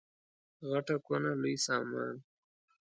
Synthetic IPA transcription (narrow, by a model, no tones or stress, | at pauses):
ɣaʈakanalujsaːmɑ̰ːn